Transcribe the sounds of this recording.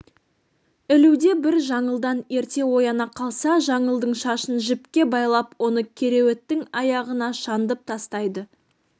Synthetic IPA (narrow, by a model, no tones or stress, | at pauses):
ɪluwd̪e̞bɪɾʒɑɴəlˠd̪ɑne̞ɾt̪e̞wo̞jɑnɑqʰɑlˠsɑʒɑɴəlˠd̪əɴʃɑʃənʒɪpkʲe̞bɑjlˠɑpwo̞nəkʲʰe̞ɾe̞we̞t̪ːɪŋɑjɑʁənɑʃɑnd̪əp̚t̪ʰɑst̪ɑjd̪ə